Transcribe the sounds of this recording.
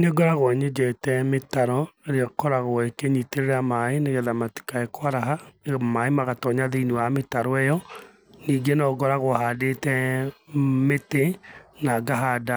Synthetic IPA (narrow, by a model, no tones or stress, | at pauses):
neɡɔɾaɣwɔɲed͡ʒɛtɛmetaɾɔeɾeɔkɔɾaɣoekeɲiteɾeɾamaeneɣɛðamati̥kaekwaɾaɦamaemaɣatɔɲaðeiniwametaɾɔɛjɔ | niːɡenɔɡɔɾaɣohadetɛ | metenaɡaɦada